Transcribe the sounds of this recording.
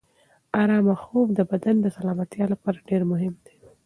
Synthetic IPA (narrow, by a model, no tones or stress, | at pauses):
aɾɑmaxovd̪əbad̪and̪əsalɑmat̪jɑlapɑɾaɖeɾmʊɦɪmd̪̥e̥